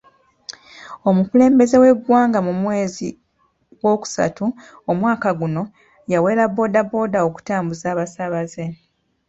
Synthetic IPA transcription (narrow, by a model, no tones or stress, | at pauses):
o̞mukule̞ːmbe̞ze̞we̞ɡwaːŋɡamumwe̞ːzi | ɡwo̞ːku̥sa̰tu | omwaːkaɡuno̞ | jawe̞ːɾabo̞ːdabo̞ːdao̞ku̥taːmbuzaːβasaβaze